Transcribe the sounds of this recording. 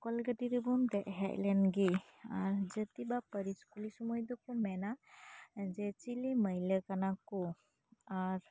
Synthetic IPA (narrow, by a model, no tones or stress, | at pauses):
kɔlɡəʈiɾɯbumd̪ɛʔɦɛʔlɛnɡi | aɾd͡ʒət̪ibapəɾiskulisɔmɔjd̪ɔkɔmɛna | d͡ʒɛt͡ʃiliməjləkanakɔ | aɾ